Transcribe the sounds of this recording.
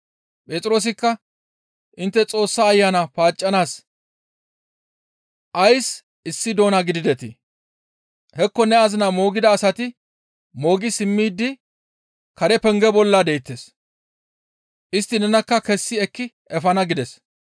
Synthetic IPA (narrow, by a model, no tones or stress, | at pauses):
pʼe̞ːt̪ʼɪɾo̞ːs̬ɪkːɐ | ʔɪnt̪ːɛt͡sʼo̞ːsːaːjːaːnɐpaːt͡ʃʼːɐnaːs | ʔɐjs | ɪsːɪd̪o̞ːnaɡɪd̪ɪd̪ɛt̪ɪ | hɛkːɔnɛɐzɪnɐmo̞ːɡɪd̪ɐːsɐt̪ɪ | mo̞ːɡɪsɪmːiːd̪ːɪ | kɐɾɛpɛŋɡɛbɔlːɐd̪ejɪt̪ːes | ʔɪst̪ːɪnɛnɐkːɐkɛsːɪɛkːɪ | ɛfɐnɐɡɪd̪ɛs